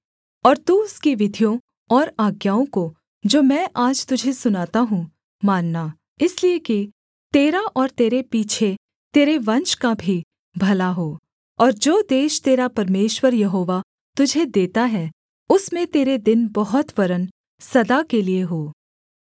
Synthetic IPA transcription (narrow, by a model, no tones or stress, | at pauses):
ɔːɾt̪uːʊskiʋɪd̪ʱijõ | ɔːɾaːɡjaːõko | d͡ʒoːmɛ̃ːʔaːd͡ʒt̪ʊd͡ʒʱesʊnaːt̪aɦũ | maːnːa | ɪslieki | t̪eːɾaʔɔːɾt̪eːɾepiːt͡ʃʰe | t̪eːɾeʋɐ̃nʃkabʱi | bʱɐlaɦoː | ɔːɾd͡ʒoːd̪eːʃt̪eːɾapɐɾmeːʃwəɾjɐɦoːʋa | t̪ʊd͡ʒʱed̪eːt̪aɦɛ | ʊsmẽt̪eːɾed̪ɪnbɐɦʊt̪ʋɐɾən | sɐd̪akelieɦoː